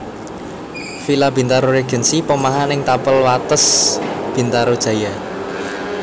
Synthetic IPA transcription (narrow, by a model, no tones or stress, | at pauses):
filab̥i̤nt̪aɾoɾeɡ̥ə̤nsipəmaɦanɪŋt̪apəlwat̪əsb̥i̤nt̪aɾod̥ʒ̥ä̤ja